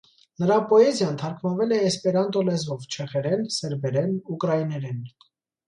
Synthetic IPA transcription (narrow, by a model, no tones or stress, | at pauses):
nəɾɑpɔɛzjɑnt̪ʰɑɾkʰmɑvɛlɛːspɛɾɑnt̪ɔlɛzɔvt͡ʃʰɛχɛɾɛnsɛɾbɛɾɛnukɾɑinɛɾɛn